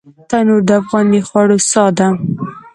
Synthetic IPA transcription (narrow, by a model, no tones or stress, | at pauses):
t̪anoɾd̪əafɣɑnixwɑɽosɑd̪a